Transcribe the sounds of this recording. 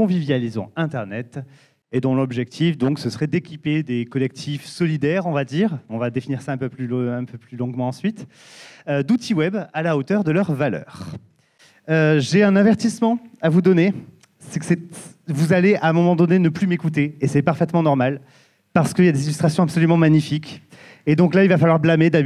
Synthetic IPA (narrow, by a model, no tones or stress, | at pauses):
kɔ̃vivjalizɑ̰̃ɛ̃t̪ɛʁnɛt̪ | ed̪ɔ̃lɔbʒɛkt̪ʰifd̪ɔ̃ksəsəʁɛd̪ekʲiped̪ekɔlɛk̚t̪ʰifsɔlid̪ɛʁɔ̃vad̪iʁɔ̃vad̪efiniʁsaɛ̃pøplyɛ̃pøplylɔ̃ɡmɑ̃ɑ̃sɥit̪ | ød̪ut̪ʰiwɛbalaot̪œʁd̪əlœʁvalœ̰ːʁ | øʒeɛ̃navɛʁt̪ismɑ̃avud̪ɔne | sɛksɛ | vuzaleʔãmɔmɑ̃d̪ɔnenəplymekut̪̬eːsɛpaʁfɛt̪mɑ̃nɔʁmal | paʁsə̥kəiljad̪ezilyst̪χasjɔ̃apsɔlymɑ̃maɲifikʲ | ed̪ɔ̃klailvafalwaʁblamed̪a